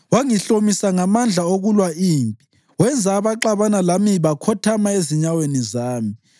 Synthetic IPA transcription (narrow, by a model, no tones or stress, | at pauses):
waŋiɬomisaŋamand͡ɮʱaoɣulwaiːmpʼi | wɛnd͡zʱaːβaǃaβanalamiβakʰɔtʰamaeziɲawenizaːmi